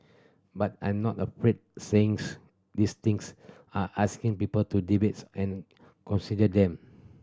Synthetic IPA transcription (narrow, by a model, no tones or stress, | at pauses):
batã̰j̃mnɔtəfɹet̚seɪ̃ŋs | dist̪ɪ̃ŋs | aʔaskĩŋpipəltudibetsɛ̃n | kɔ̃nsidədɛ̃m